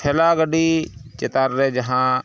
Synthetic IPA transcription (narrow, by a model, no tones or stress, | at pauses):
elaːɡəɖiːt͡ʃɪt̪aːɾːeːd͡ʒɐɦãː